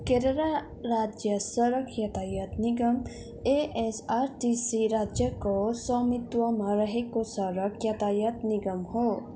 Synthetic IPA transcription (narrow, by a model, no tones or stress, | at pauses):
keɾəɾa | ɾad͡ʒjəsəɾəkʰjɐt̪ajət̪niɡəm | eʔesaɾʈisiɾad͡ʒjəkosɔmit̪wɔmaɾəɦekosəɾəkʰjɐt̪ajət̪niɡəmho